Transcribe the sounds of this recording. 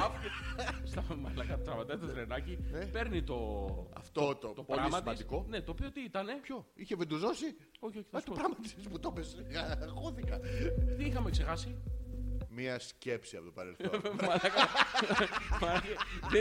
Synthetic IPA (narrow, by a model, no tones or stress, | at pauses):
st̪ɐmɐlɐkɐt̪ɐt̪ɾɐmɐt̪ɐɐt̪ɐt̪ɾenɐcinepe̞ɾnit̪o̞ɐ̰ft̪ot̪ot̪opoɾlɐmɐt̪ɐst̪ikone̞t̪o̞pio̞t̪iit̪ɐne̞pçoiçeved̪uzo̞si | o̞çioçi̥θɐsut̪upɾɐmɐt̪i̥sput̪opesɣɐɣoθikɐt̪iixɐmekse̞xɐsi | miɐscepsiɐpot̪opɐɾelθomɐlɐkɐ | mɐlɐkeðe